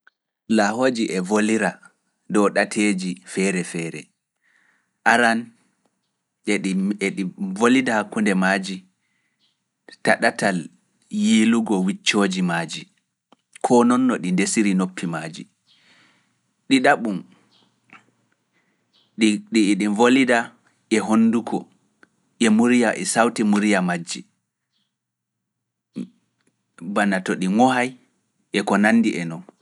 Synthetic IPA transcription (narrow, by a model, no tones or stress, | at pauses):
lahoːd͡ʒiʔɛvoliɾa | dɔɗatʰeːd͡ʒifɛɾɛfɛːɾɛ̰ | ʔaɾan | ɛɗivolidahakːundɛmaːd͡ʒi | taɗatal | jiluɡɔwit͡ʃːoːd͡ʒimaːd͡ʒi | kʰɔnɔnːɔɗindesiɾinopʰːimaːd͡ʒḭ | ɗiɗaɓum | ɗɗiːɗinvolida | ʔɛɦonːdukʰɔ | ʔɛmuɾijaʔɛsawtimuɾijamad͡ʒːi | banatɔɗiŋɔɦaj | ʔɛkɔnanːdiʔɛnɔn